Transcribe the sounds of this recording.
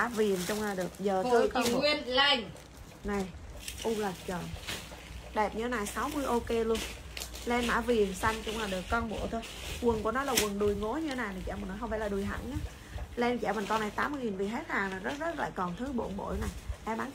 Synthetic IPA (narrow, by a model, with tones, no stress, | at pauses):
a̰ː˧˥vi˨˩ənt͡ɕʊ˧ŋ͡mlaː˨˩ɗɨ˨˩ək̚zəː˨˩˧t̪ɨ˧kɔ˧˨wi˧ənla˧jŋ | na˨˩jʔu˧lə˨˩t̚t͡ɕəː˨˩n | ɗɛ˨˩p̚ɲɨ˧e˦na˨˩jsa˨˦wmɨ˧əjʔo˧ke˧lu˧ən | lɛ˧nmːa̰ː˧˥vi˨˩ənsa˧jŋ̟t͡ɕʊ˧ŋ͡mlaː˨˩ɗɨ˨˩əkːɔ˧nɓo̰˧˨t̪ʰo˧jkwə˨˩nkṵ˧˥ənɔ˨˦laː˨˩kwə˨˩nɗu˨˩jŋo˨˦jɲɨ˧t̪ʰe˦naː˨˩jna˨˩t͡ɕɛ̰˧˥˩mə˨˩nɔ˨˦ɦə˧ŋ͡mfa̰˧˥˩laː˨˩ɗu˨˩jɦa̰˧˩ŋɲaː˨˦ | lɛ˧n˨t͡ɕɛ̰˧˩mə˨˩nkɔ˧na˨˩jt̪aː˨˦mːɨ˧əŋi˨˩nvi˨˩ɦe˦˥t̚haː˨˩ŋlaː˨˩zə˦˥t̚zə˦˥t̚la̰ː˧˨jkɔ˨˩nt̪ʰɨ˨˦ɓo̰˧˩nɓo̰˧˩˨jna˨˩jʔɛ˧˩ɓaː˨˦n